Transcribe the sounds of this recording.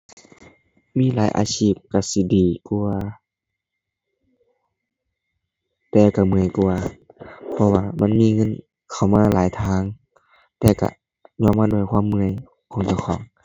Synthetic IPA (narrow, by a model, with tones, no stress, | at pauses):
miː˧˥˨laː˨˦jʔa̰ː˧t͡ɕʰiː˧˩p̚ka˧˩si˧˦diː˨˩ku˧ɐ | t̪ɛː˧˩ka˧˩mɯ˧˩əjku˧ɐpʰɔ˧waː˧ma˧˥˨nmiː˧˥˨ŋɤ˧˥˨n | kʰa˨˩wmaː˧˥˨laː˨˦jt̪ʰaː˧˩˨ŋ | t̪ɛː˧˩ka̰˧˩ | ɲɔː˧˥˨maː˧˥˨du˧˨jkʰwaː˧˥˨mːɯ˧˩ə˨j | kʰɔː˨˦ŋt͡ɕa˧˩wxʰɔː˨˦ŋ